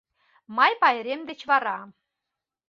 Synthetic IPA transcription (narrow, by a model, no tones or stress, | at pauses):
mɑjpɑjĕɾemd̪et͡ɕβɑɾɑ